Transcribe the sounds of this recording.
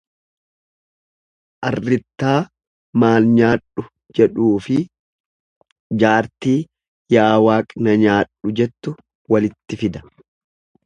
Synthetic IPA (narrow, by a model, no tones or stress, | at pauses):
ʔɐrːɪt̪ːaː | maːlɲaːᶑʊ | d͡ʒɛᶑuːfɪ | d͡ʒaːɾt̪iː | jaːwaːkʼnɐɲaːᶑːʊd͡ʒɛt̪ːʊ | wɐlɪt̪ːɪfɪd̪ɐ̥